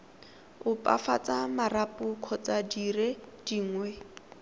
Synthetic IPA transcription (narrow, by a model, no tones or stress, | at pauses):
ʊpʼa̰fat͡sʼamarapʼʊkʰɔt͡sadired̥iːŋwɛ